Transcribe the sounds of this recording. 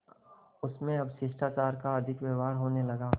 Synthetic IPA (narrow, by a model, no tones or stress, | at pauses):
ʊsmẽɐbʃɪʃʈaːt͡ʃaːɾkaɐd̪ʱɪkʋeːʋaːɾɦoːnelɐɡaː